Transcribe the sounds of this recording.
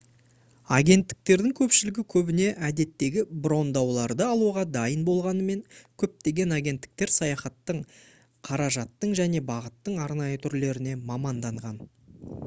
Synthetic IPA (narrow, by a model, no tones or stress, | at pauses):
ɑɡʲe̞nt̪ːɪ̥k̚t̪e̞ɾd̪ɪŋkʲʰɵpʃɪlɪɡʲɪkʲʰɵbɪne̞ʔæd̪e̞t̪ːe̞ɡʲɪbro̞nd̪ɑwlˠɑɾd̪əɑlˠuʁɑd̪ɑjənbo̞lˠʁɑnəme̞ŋkʲʰɵp̚t̪e̞ɡʲe̞nɑɡʲe̞nt̪ːɪ̥k̚t̪eɾsɑjɑχɑt̪ːəɴ | qʰɑɾɑʒɑt̪ːəɴʒæne̞bɑʁət̪ːəɴɑɾnɑjət̪ʰʏɾle̞ɾɪne̞mɑmɑnd̪ɑɴʁɑn